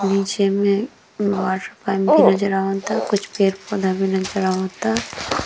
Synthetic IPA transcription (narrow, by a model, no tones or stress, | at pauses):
niːt͡ʃemẽ | ʋaːɾʈəpaːjmbʱinɐd͡ʒəɾaɦot̪akʊt͡ʃʰpeːɾpɔːd̪ʱabʱinɐd͡ʒəɾaɦõːt̪a